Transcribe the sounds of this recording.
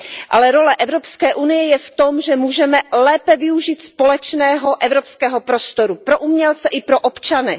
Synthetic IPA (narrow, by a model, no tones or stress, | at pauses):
ʔalɛɾo̞lɛʔɛvɾo̞pskɛːʔunɪjɛjɛft̪o̞mʒɛmuːʒɛmɛlɛːpɛvɪuʒiːt̪spo̞lɛt͡ʃnɛːɦo̞ʔɛvɾopskɛːɦo̞pɾo̞st̪o̞ɾupɾo̞ʔumɲɛlt͡sɛʔɪpɾo̞ʔopt͡ʃanɪ